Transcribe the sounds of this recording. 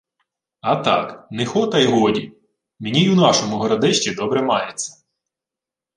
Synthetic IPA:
ɐt̪ɑ̰knɪxɔt̪ɐjɦɔdʲi | menʲijunɑʃɔmʊɦɔɾɐd̪ɛʃt͡ʃʲid̪ɔbɾɛmɑjet͡sʲːɐ̥

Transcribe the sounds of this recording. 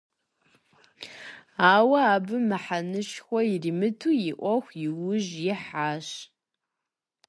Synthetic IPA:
aːwɐaːbɨmɨħanɨʃxʷɔjɪriːmɨtʰuːjɪʔʷɔxʷjɪwʊʒjɪħaːɕ

